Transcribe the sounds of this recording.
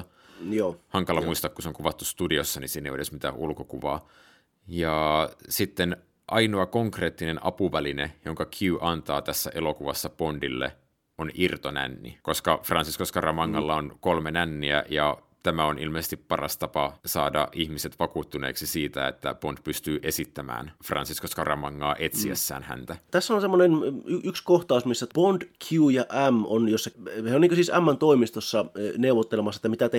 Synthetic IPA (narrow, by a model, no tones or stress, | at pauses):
johɑŋkɑlɑmuist̪ɑkkuseoŋkuʋɑt̪ːust̪udiosːɑnisiːnːeijeɾesmit̪æːʔulkokuʋɑː | jɑsit̪ːen | ʔɑinoɑkoŋkre̞ːt̪ːinenʔɑ̰puʋælinejoŋkɑkʰjyːʔɑnt̪ɑːt̪æsːæ̰ʔelokuʋɑsːɑpondilːḛ | onirt̪onæ̰nːḭkoskɑfrɑnsiskoskɑrɑmɑŋːɑlːɑonkolmenænːiæ̰jɑ | t̪æmæonilmeise̥st̪ippɑrɑst̪ɑpɑsɑːdɑ̰ʔihmiset̪ʋɑkuːt̪ːunḛːksisiːt̪æḛt̪ːæpond̥̪pyst̪yːʔe̞sit̪ːæmæ̰ːnfrɑ̰nsiskoskɑrɑmɑŋːɑːʔet̪siæ̰sːæ̰ːnhæ̰nt̪æt̪æsːæonsemːonenyʔykskoht̪ɑˑusmisːæpond̥kʰuuːjɑʔæmonjosːɑheonːiːŋkøsiːsæmːænt̪oimist̪osːɑneuʋot̪ːelemɑsːɑet̪ːæmit̪æt̪e